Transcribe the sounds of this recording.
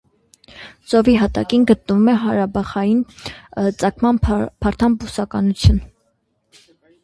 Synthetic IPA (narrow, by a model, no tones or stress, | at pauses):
t͡sɔviɦɑt̪ɑ̰kinɡət̪nəvumɛɦɑɾɑbɑχɑjin | t͡sɑkʰmɑnpʰɑɾt̪ʰɑnbusɑkɑnut͡sʰjun